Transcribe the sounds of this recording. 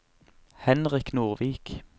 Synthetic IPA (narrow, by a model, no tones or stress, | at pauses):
hɛnʁɪknuːʁʋiːk